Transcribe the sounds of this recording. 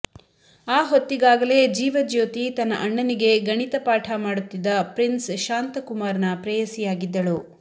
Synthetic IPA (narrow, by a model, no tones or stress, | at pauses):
aːɦot̪ːiɡaːɡɐle̞ːd͡ʒiːʋɐd͡ʒjoːt̪it̪ɐnːɐ̰ʔɐɳːɐniɡe̞ɡɐɳit̪ɐpaːʈʰɐmaːɽut̪ːid̪ːɐpɾinsʃaːnt̪ɐkumaːɾɐnɐpɾɐjɐsijaːɡid̪ːɐɭu